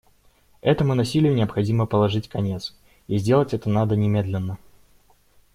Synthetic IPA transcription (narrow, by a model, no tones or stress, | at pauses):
ɛt̪əmʊnɐsʲilʲɪjʊnʲɪəpxɐdʲiməpəlˠɐʐɨtʲkɐnʲe̞t̪s | izʲdʲe̞lˠətʲɛt̪ənad̪ənʲɪmʲe̞d̪lʲɪnːə